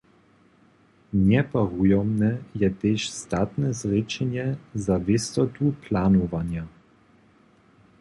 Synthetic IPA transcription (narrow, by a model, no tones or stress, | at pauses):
ɲɛpaʁujɔmnɛjɛt̪eʃst̪at̪nɛzret͡ʃɛɲɛzavɪst̪ɔt̪uplanuvanja